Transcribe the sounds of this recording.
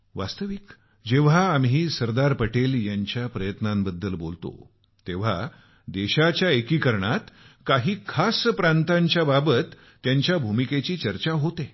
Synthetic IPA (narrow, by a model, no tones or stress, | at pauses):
ʋa̰st̪əʋik | d͡ʑeʋ̤aːmɦiːsəɾd̪aɾpəʈeljaɲt͡ɕjapɾəjət̪nãmbəd̪ːəlbo̰lt̪o̰ | t̪eʋ̤a̰ | d̪eɕat͡ɕjaekiːkəɾɳat̪kaɦiːkʰaspɾãnt̪aɲt͡ɕjababət̪ː | jaɲt͡ɕjabʱumiket͡ɕiːt͡ɕəɾt͡ɕaɦot̪e